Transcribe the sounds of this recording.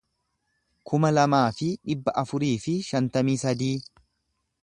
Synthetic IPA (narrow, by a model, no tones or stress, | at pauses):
kʰʊmɐlɐmaːfɪᶑɪbːɐʔɐfʊɾiːfɪʃɐnt̪ɐmiːsɐd̪iː